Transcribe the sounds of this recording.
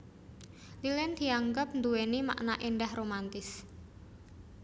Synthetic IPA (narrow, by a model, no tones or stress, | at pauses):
lilɛnd̪̥i̤aŋɡəp̚nd̪uwenima̰ʔnaʔenɖahromant̪ɪs